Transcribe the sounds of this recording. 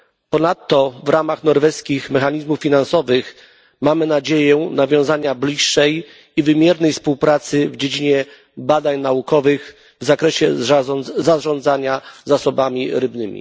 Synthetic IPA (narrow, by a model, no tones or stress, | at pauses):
pɔnat̪ːɔvɾamaxnɔɾvɛskʲixmɛxaɲizmufːʲinansɔvɘx | mamɘnad͡ʑejɛnavʲjɔ̃w̃zaɲablʲiʂːɛj | ivɘmʲjɛɾnɛjfspuwpɾat̪sɘvd͡ʑed͡ʑiɲɛ | bad̪aɲnaukɔvɘɣ | vzakɾɛɕɛ | zaʐɔ̃nd̪zaɲazasɔbamʲiɾɘbnɘmʲḭ